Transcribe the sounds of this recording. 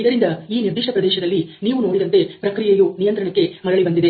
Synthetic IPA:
id̪ɐɾind̪ɐiːniɾd̪iʂʈʰɐpɾɐd̪ɛːʃɐd̪ɐlːiniːʋuno̞ːɽid̪ɐnt̪e̞pɾɐkɾijejunijɐnt̪ɾɐɳɐkːe̞mɐɽɐɭibɐnd̪id̪e̞

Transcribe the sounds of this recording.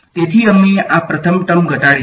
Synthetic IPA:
t̪et̪ʰiəmeʔapɾət̪ʰəmʈəmɡʱəʈaɭe

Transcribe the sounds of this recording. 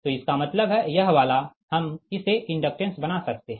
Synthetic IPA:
t̪oɪskamɐt̪ləbɦɛjɐɦʋaːlahɐmɪseʔɪ̃ɳɖək̚ʈɾə̃nsbɐnasɐk̚t̪eɦɛ̃

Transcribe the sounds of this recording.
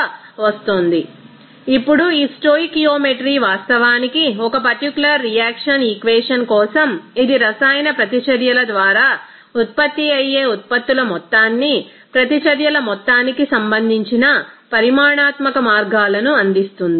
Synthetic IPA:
ʋɐst̪oːnd̪i | ipːuɽuiːsʈoːikijoːmeʈɐɾiːʋaːst̪ɐʋaːnikiɔkɐpɐɾʈikulɐɾːijaːkʂɐnikʋɛːʂɐnkɔːsɐmid̪iɾɐsaːjnɐpɾɐt̪it͡ʃɐɾjɐlɐd̪ʋaːɾaː | ut̪̚pɐt̪ːiɐjːeːut̪̚pɐt̪ːulɐmɔt̪ːaːnːi | pɾɐt̪it͡ʃɐɾjɐlɐmɔt̪ːaːnikisɐmbɐnd̪ʱiɲt͡ʃinɐpɐɾimaːɳaːt̪mɐkɐmaːɾɡaːlɐnuɐnd̪ist̪und̪i

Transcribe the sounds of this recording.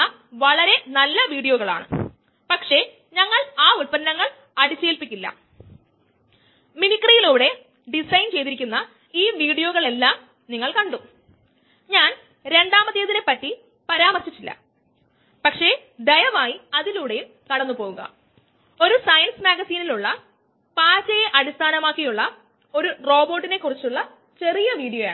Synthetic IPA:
ɐ | ʋɐɭɐɾe̞nɐlːɐʋiːɽijoːɣɐɭa̰ːɳɨ̰ | pɐkʂe̞ | ɲɐŋːɐɭaːulpɐnnɐŋːɐɭ | ɐɽit͡ɕːe̞ːlpikʲːilːɐ̰ | minikːɐrijiluːɽe̞ | ɖisɐjnt͡ɕe̞jt̪iɾikʲːunːɐ | iːʋiːɽijo̞ːɣɐɭe̞lːaːm | niŋːɐɭkɐɳɖu | ɲaːn | ɾe̞ɳɖaːmɐt̪ːijɐðinepːɐtːi | pɐɾaːmɐrɕit͡ɕːilːɐ̰ | pɐkʂe̞ | d̪ɐjɐmaːjiɐðiluʋiɽe̞jum | kɐɽɐnːupo̞ːɣuɣɐ̰ | o̞ɾusɐjɐnsnɐɡɐsiːniluɭːɐ | paːt͡ɕɐjeʔɐɽist̪ʰaːnɐmaːkːijuɭːɐ | o̞ɾuro̞ːbo̞ːʈːine̞kːurit͡ɕːuɭːɐ | t͡ɕe̞rijɐʋiːɽijoja̰ːɳ

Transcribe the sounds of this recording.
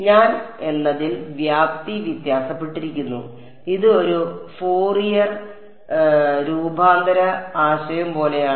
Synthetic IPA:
ɲaːne̞nːɐðilʋjaːpt̪iʋjit̪jaːsɐpːe̞ʈːiɾikʲːunːṵ | iðɨo̞ɾufoːrijɐr | ɾuːbʱaːnd̪ɐɾɐaːɕɐjɐmpo̞ːle̞jaː

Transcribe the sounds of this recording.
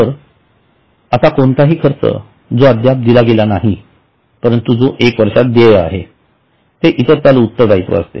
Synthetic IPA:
əɾ | əsakoɳt̪aɦiːkʰəɾt͡sə̰ | d͡zoəd̪jap̚d̪ilaɡelanaɦi | pəɾənt̪ud͡zoʔekʋəɾʂat̪̚d̪eja̰ɦe | t̪eʔit̪əɾt͡s̪alut̪ːəɾd̪ait̪ʋo̰ə̰st̪ḛ

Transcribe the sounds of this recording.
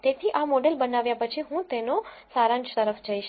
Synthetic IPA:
t̪et̪ʰiʔamɔɖelbənaʋjapət͡ʃʰiɦũt̪enosaɾãɲt͡ʃt̪əɾəfd͡ʒəiʃ

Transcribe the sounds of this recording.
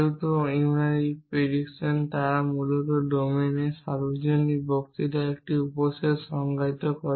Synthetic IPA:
wt̪oimɾaɾipeɾiksent̪aɾamulɔt̪ɔɖomenesaɾud͡ʒonːibɔkt̪it̪aek̚ʈiupɔsesʃɔŋɡajt̪ɔkɔɾ

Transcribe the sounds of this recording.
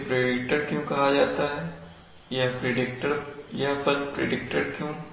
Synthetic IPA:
pɾeːɖɪk̚ʈəɾkjõkɐɦad͡ʒaːt̪aɦɛː | jɐɦpɾeɖɪk̚ʈəɾjɐɦpɐlpɾḛːɖɪk̚ʈəɽkjũː

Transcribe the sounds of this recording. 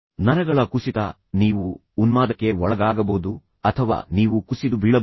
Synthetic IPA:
nɐnɐɡɐɭɐkusit̪ɐ | niːʋuː | nmaːd̪ɐkːe̞ɔɭɐɡaːɡɐboːd̪u | ɐt̪ʰɐʋa̰ːniːʋukusid̪ubiɭɐ

